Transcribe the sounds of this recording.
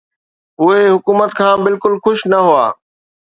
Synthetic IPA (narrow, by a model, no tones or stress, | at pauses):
ɦʊeɦʊkuːmət̪kʰãːbɪlkʊlxʊʃnɐɦuaː